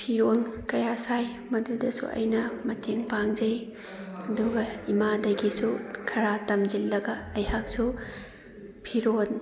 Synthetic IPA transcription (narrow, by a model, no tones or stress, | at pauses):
pʰiɾolkɐjasaj | mɐdudɐsṵʔɐ̰jnɐmɐtʰeŋpaŋd͡ʒɐj | ɐduɡɐimadɐɡisukʰɐɾatɐmd͡ʒilːɐɡɐːjhak̚su | pʰiɾol